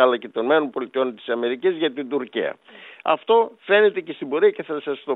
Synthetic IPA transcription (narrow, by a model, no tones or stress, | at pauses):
ɐlɐcet̪onme̞no̞npo̞lit̪io̞nt̪i̥sɐme̞ɾicizʝɐt̪ind̪uɾcḭɐ̰ | ɐ̰ft̪o̞fe̞ne̞t̪e̞ce̞st̪ibo̞ɾiɐceθɐsɐst̪o̞